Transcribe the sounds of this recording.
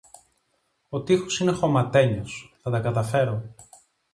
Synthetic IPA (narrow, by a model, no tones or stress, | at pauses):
ot̪ixosine̞xo̞mɐt̪e̞ɲosθɐt̪ɐkɐt̪ɐfe̞ɾo̞